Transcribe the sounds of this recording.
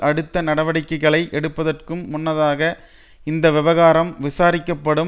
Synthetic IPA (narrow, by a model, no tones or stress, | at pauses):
ʔɐɽɯt̪ːɐnɐɽɐʋɐɽɪkːɐɪɣɐɭɐɪʔɛɽɯpːɐðɐrkɯmːʊnːɐðaːɣɐ | ɪnd̪ɐʋɪʋɐɣaːɾɐmʋɪsaːɾɪkːɐpːɐɽɯm